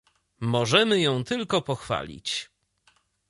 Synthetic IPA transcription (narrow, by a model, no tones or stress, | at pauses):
mɔʐɛmɘjɔ̃w̃t̪ɘlkɔpɔxfa̰lʲḭt͡ɕ